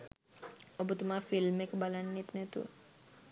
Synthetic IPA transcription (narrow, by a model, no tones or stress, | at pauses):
obʱut̪umaɾfilmekbalanːit̪nɛt̪ṵə̰